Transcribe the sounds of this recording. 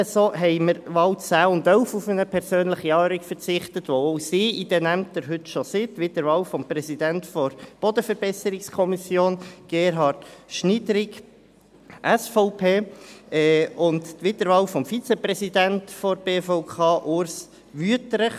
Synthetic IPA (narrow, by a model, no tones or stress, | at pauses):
əsoɦɛɪməɾʋɑwt͡sæːʊndœʊfufənəpʰɛɾsøːnləχiɑːɾikfəɾt͡sɪχt̪ətʋoosiːʔid̥̪ɛnæmtəɾɦʏtʃosɪtʋɪtəɾʋɑːwfɔmprɛsid̪æntfɔɾb̥ɔd̪əfəɾb̥ɛsəɾɪkskʰɔmisjoːnɡ̥eːɾɦɑtʃnidɾɪɡ | ʔæsfɔʊpʰeːɛʊnttʋɪtəɾʋɑːwfɔmfit͡sɛpɾɛsidæntfɔɾb̥eːfɔʊkʰɑːʔʊɾs | ʋyətɾəχ